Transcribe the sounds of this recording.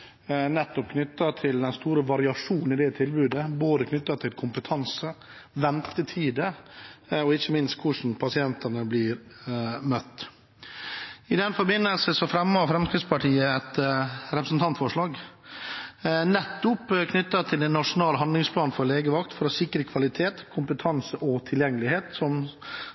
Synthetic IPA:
nɛt̪ːɔp̚kʰnʏt̪ːɑt̪ʰɪld̪ɛnst̪uːɾəʋɑɾɪɑʂuːn̩ɪd̪ɛt̪ʰɪlbʉːd̪əboːd̪əkʰnʏt̪ːɑt̪ʰɪlkʰʊmpət̪ʰɑnsəʋɛnt̪ət̪ʰiːd̪ə | ɔɪçːəmɪnst̪̚kʰʊʂn̩pʰɑsɪɛnt̪ənəblɪɾmœt̪ː | ɪd̪ɛnfɔɾbɪnːəlsəsɔfɾɛmːɑfɾɛmskɾɪd̪spʰɑʈʰiːəɛt̪ɾɛpɾəsn̩t̪ʰɑnt̪fɔʂɭɑːɡ | nɛt̪ːʊpkʰnʏt̪ːɑt̪ʰɪlɛnːɑʂʊnɑːlɦɑnd̪lɪŋspʰlɑːnfɔɾleːɡəʋɑkt̪fɔɾɔsɪkɾəkʰʋɑlɪt̪ʰeːt̪kʰʊmpət̪ʰɑnsəʔɔt̪ʰɪljɛŋːəlɪheːt̪sɔm

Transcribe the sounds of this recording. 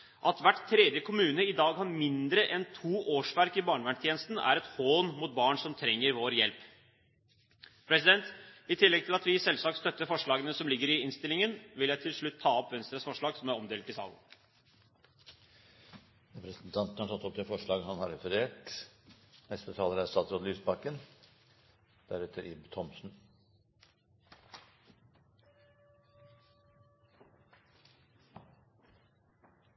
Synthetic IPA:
ʔɑt̪ʋæʈt̪ʰːɾɛːd̪jəkʰʊmʉːnəɪd̪ɑːɡhɑnmɪnd̪ɾəʔɛnt̪ʰuːʔoːʂʋæɾkɪbɑːɳʋæɳt̪ʰjeːnəst̪n̩æ̰ɾɛt̪hoːnmuːt̪̚bɑːɳʂɔmt̪ʰɾɛŋːəɾʋoːɾjɛlp | pʰɾɛsɪd̪ɛnt̪ɪt̪ʰɪlːɛɡ̚t̪ʰɪlɑt̪ʋɪsɛlsɑːk̚t̪st̪œt̪ːəfɔʂɭɑːɡənəsɔmlɪɡːəɾɪɪnst̪ɪlɪŋənʋɪljæɪt̪ʰɪlʂɭʉt̪ʰːɑːɔpʋɛnst̪ɾəsfɔʂɭɑːɡsɔmæɾɔmd̪eːlt̪ɪsɑ̰ːlːən̩ | ɾɛpɾəsnt̪ʰɑnt̪n̩hɑɾʈʰɑt̪ːɔp̚t̪ɪfɔʂɭɑːɡhɑnhɑɾɛfəɾeːʈ | nɛst̪ət̪ʰɑːləɾæsɑt̪ʰːɾɔd̪lyːsbɑkːən | d̪̥æɾʉt̪ʰəɾɪbt̪ʰɔmsn̩

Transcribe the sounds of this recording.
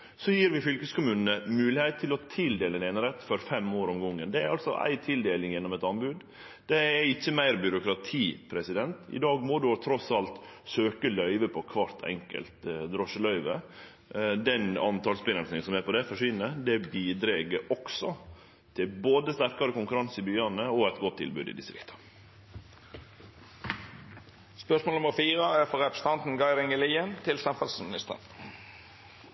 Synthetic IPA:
sɔjiːɾʋɪfʏlkəskʊmʉːnənəmʉːlɪheːt̪ʰːɪlɔt̪ʰɪld̪eːləɛnɛnəɾɛt̪ːfɔɾfɛmoːɾɔmɡɔŋːənd̪ɛæɾɑlsɔ̰ʔæ̰ɪt̪ʰɪld̪eːlɪŋjɛnːɔmɛt̪ɑnbʉd̪ | d̪̥ɛæɪçːəmæɪɾbʏɾʊkɾɑt̪ʰiːpʰɾɛsɪd̪ɛnt̪ɪ̰d̪ɑːɡmɔd̪ʉɔt̪ʰɾɔsɑlt̪ | søːkəlœʏʋəpʰɔkʰʋɑɾt̪ʰɛ̰ŋkə̰lt̪d̪ɾɔʂəlœʏʋə | d̪ɛnɑnt̪ɑːlsbɪnəlsɪŋəsɔmɛːpɔd̪ɛfɔʂʋɪnːəɾd̪ɛbiːd̪ɾeːɡəɾɔksɔ | t̪ʰɪlboːd̪əst̪æɾkɑɾəkʊŋkʉɾɑnsɪbyːɑnəɔɛt̪ɡɔt̪ʰːɪ̰lbʉ̰ːd̪ɪ̰d̪ɪst̪ɾɪ̰kt̪ʰɑ̥ | spœʂmolʊməɾfiːʁəæfɔɾɛpst̪ɑnt̪n̩ɡɑɪɾɪŋəliːənt̪ʰɪlsɛmfɑlsmɪnɪst̪ə̰n

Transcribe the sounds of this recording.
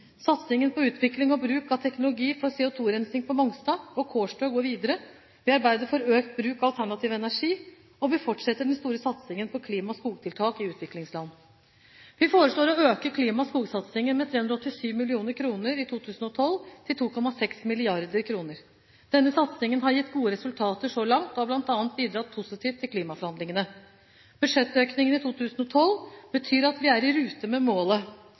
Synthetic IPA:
sɑt̪sɪŋənpʰɔʉːt̪ʰʋɪklɪŋɔbɾʉːkɑʋt̪ʰɛknʊlʊɡiːfɔɾsɛːʊt̪ʰuːɾɛnsɪŋpʰɔmɔŋst̪ɑːɔkʰoːʂʈøːɡoːɾʋiːd̪əɾə | ʋɪɑɾbæɪd̪əɾfɔɾøːkt̪bɾʉːkɑlt̪ʰæɳɑt̪ʰiːʋəɛnæʂiː | ɔʋɪfɔʈʂɛt̪ːəɖɛnst̪uːɾəsɑt̪sɪŋənpʰɔkʰliːmɑskuːɡ̚t̪ʰɪlt̪ʰɑːkɪʉːt̪ʰʋɪklɪŋslɑnː | ʋɪfoːɾəʂɭoːɾɔøːkəkʰliːmɑskuːɡsɑt̪sɪŋənmɛt̪ʰɾeːʉnɾɑɔt̪ːɪsyːʋmɪlɪuːnəɾkʰɾuːnəɾɪt̪ʰuːt̪ʰʉːsnɔt̪ʰɔlt̪ʰɪlt̪ʰuːkʰɔmɑsɛksmɪlɪɑɾd̪əɾkʰɾuːnəɾ | d̪̥ɛnːəsɑt̪sɪŋənɦɑɾjɪt̪ːɡuːəɾɛsʉlt̪ʰɑːt̪əʂɔlɑŋt̪ɔhɑblɑnt̪ɑːnt̪̚biːd̪ɾɑt̪̚pʰʊsɪt̪ʰiːʋt̪ʰːɪlkʰliːmɑfɔɾhɑnd̪lɪŋənə | b̥ʉd̪ʂɛt̪ːøːknɪŋənɪt̪ʰuːt̪ʰʉːsnɔt̪ʰɔlb̥ət̪ʰyːɾɑt̪ʋɪæɾɪɾʉːt̪əmɛmoːlə

